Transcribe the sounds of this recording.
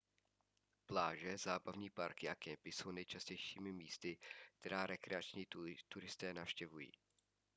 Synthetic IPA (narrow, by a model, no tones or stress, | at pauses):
plaːʒɛzaːbavɲiːpaɾkɪʔakɛmpɪso̞wnɛjt͡ʃascɛjʃiːmɪmiːst̪ɪk̚t̪ɛɾaːɾɛkɾɛat͡ʃɲiːt̪uɾɪst̪ɛːnafʃcɛvujḭː